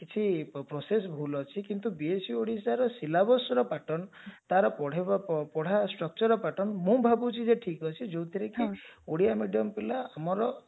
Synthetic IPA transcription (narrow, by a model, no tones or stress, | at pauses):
kit͡ʃʰipɾɔsesbʱulɔt͡ʃʰikint̪ubiesuoɽisaɾɔsilabɔsɔɾɔpaʈɔnt̪aɾɔpɔɽ̤apɔɽ̤asʈɾɔk̚t͡ʃɔɾɔpaʈɔnmũbʱabut͡ʃʰid͡ʒeʈʰikɔt͡ʃʰid͡ʒowt̪ʰiɾekioɽijamiɖiɔmpilaamɔɾɔ